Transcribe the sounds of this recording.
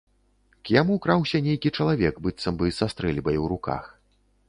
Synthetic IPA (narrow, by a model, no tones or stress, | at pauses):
kjamukɾawsʲɐnʲejkʲit͡ʂɐlˠavʲɛkbɨt̪sːɐmbɨsast̪ɾɛlʲbɐjwɾuka̰x